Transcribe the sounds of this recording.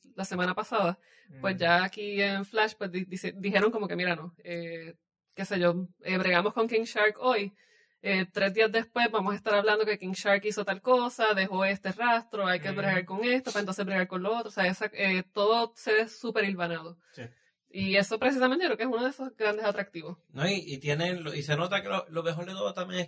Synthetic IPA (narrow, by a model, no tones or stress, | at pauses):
lase̞mãnapasaða | pwe̞szʝaːkienflaʃpwesid̪id̪ihe̞ɾo̞ŋko̞mo̞ke̞miɾano̞e | ke̞se̞ʝo̞eβɾeɣamo̞sko̞ŋkĩŋʃaɾko̞j | et̪ɾe̞zd̪iazd̪e̞spwe̞zbamosaest̪aɾaβlãnd̪o̞ke̞kiŋʃaɾkiso̞t̪alko̞saðe̞ɦo̞e̞st̪e̞rast̪ɾoajke̞βɾeɣaɾko̞ŋe̞st̪opaent̪o̞nse̞zbɾeɣaɾko̞nloot̪ɾoseaesaet̪o̞ðoseðesupe̞ɾilβanaðo | si | ie̞so̞pɾe̞s̬isamẽnt̪ekɾekeesunoðesosɡɾand̪e̞sat̪ɾak̚t̪iβo̞snoiit̪je̞neloise̞no̞t̪akelolomeɦo̞ɾd̪et̪oðot̪amjeŋe